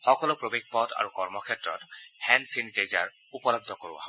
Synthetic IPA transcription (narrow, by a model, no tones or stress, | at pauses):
xɔkɔlʊpɹobeɡ̚pɔta̰ɹukɔɹmɔkʰɛtɹɔ̰thɛnsinkejza̰ɹ | upɔlɔb̚d̪ʱɔkoɹuwa̰ɦ